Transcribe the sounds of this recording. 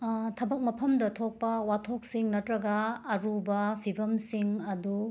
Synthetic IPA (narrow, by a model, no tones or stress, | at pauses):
tʰɐbɐk̚mɐpʰɐmdɐtʰok̚pɐwatʰok̚siŋnɐtɾɐɡɐːɾubɐpʰibɐmsiŋɐdu